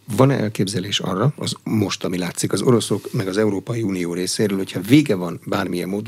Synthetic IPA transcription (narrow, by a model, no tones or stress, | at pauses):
vɒnɛʔɛ̰lkeːbzɛleːʃɒ̰rːɒɒzmo̞ʃt̪ɒmilaːt̪sikɒzo̞ɾo̞so̞kmɛɡɒzɛuɾoːpɒjiuːnijoːɾeːseːɾøːlho̞chɒveːɡɛvɒnbaːrmijɛ̰mːoːd̪